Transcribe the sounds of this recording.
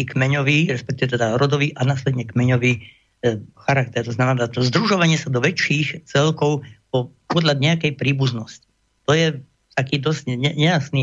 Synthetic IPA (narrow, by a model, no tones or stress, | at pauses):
ikmɛɲɔʋiːɾɛspɛk̚t̪iʋɛt̪ɛd̪aɾɔd̪ɔʋiːʔanaːslɛd̪ɲɛkmɛɲɔʋiː | xaɾak̚t̪ɛɾt̪ɔznamɛnaːt̪ɔzd̪ɾuʒɔʋaɲɪɛsad̪ɔʋɛt͡ʃiːxt͡sɛlkɔʊpɔpɔd̪ʎad̪ɲɛakɛjpɾiːbuznɔsci̥ | t̪ɔjɛ | t̪akiːd̪ɔzcɲɛɲɛjasniː